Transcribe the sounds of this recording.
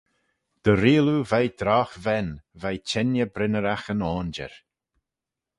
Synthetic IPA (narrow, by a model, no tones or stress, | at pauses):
d̪̥əɾiːluvajd̪̥ɾaːxvɛnvajt͡ʃɛnjəbɾɪnəɾaxənɔːnd͡ʒɛ̰ɾ